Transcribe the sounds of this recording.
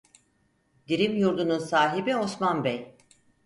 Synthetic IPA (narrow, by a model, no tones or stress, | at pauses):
d̪̥iɾimjuɾd̪ununsaːɦibio̞smanbɛj